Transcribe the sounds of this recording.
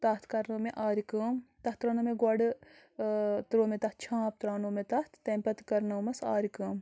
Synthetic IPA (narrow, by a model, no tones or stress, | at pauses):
t̪ɐt̪ʰkɐɾnɐmeʔaːɾikɐːmt̪ɐht̪ɾɐnɐmeɡɔɖ | t̪ɾoːmet̪ɐt̪̚t͡ʃʰãːp̚t̪ɾaːnoːmet̪ɐht̪ʰt̪empɐt̪kɐɾnɐwmɐsaːɾikɐːm